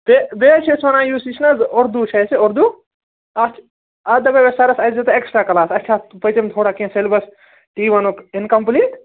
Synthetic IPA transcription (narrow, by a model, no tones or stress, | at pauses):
t̪eb̪eːt͡ʃʰesʰʋɐnãːjuːsit͡ʃʰnɐzoɾd̪ut͡ʃʰɐjsioɾd̪u | ɐt͡ʃʰ | ɐd̪ɐbeʋesɐɾɐsɐzet̪oeksʈɾaːkɐlaːsɐtːt͡ʃʰaːpɐjt͡ʃemt̪ʰoːɽaːkĩselbɐs | ʈiːʋɐnokinkɐmpliːʈ